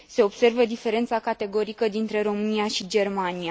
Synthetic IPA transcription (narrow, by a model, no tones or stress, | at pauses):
se̞o̞b̥se̞rvəd̪ife̞ɾe̞nt̪sakat̪e̞ɡo̞ɾikəd̪int̪ɾe̞ɾo̞mɨniaʃid͡ʒe̞rmania